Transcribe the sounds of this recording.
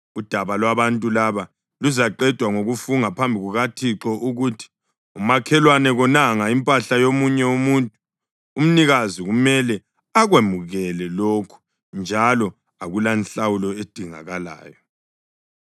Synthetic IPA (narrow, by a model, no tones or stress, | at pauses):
ud̥ʱaβalwaβantʼulaβa | luzaǃɛd̥ʱwaŋoɣufuŋapʰambʱiɣuɣatʰiǁɔʔuɣutʰi̥ | umakʰɛlwanɛɣɔnaŋaimpʼaɬajomuɲɛumuntʼu̥ | um̩niɣaziɣumɛlɛ | aɣwemuɣɛlɛloːkʰu̥ | nd͡ʒʱalɔ | aɣulanɬawulɔed̥ʱiŋa̰ɣala̰ːjɔ